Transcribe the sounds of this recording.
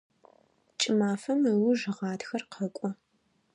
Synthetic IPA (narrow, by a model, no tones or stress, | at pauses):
t͡ʃʼɪmaːfɐmɨwʊʒɨʁɑːtxɐrqʰɐkʷʼɔ